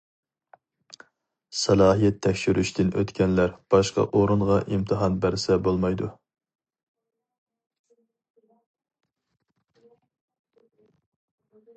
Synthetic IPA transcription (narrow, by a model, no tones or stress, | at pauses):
sɑlˠɑːɦijɛt̪ʰːɛkʲʃyɾʔyʃt̪ʰɪnʔø̰t̪kʲɛnlæɾb̥ɑʃqɑ̰ʔoɾuɴʁɑʔimt̪ʰɨɦɑnbæɾsɛbolˠmɑjd̪u